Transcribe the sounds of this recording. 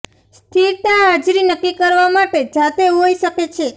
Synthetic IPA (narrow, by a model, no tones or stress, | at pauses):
st̪ʰiɾt̪aɦad͡ʒɾinəkːikəɾʋamaʈed͡ʒat̪eɦoiʃəket͡ʃʰe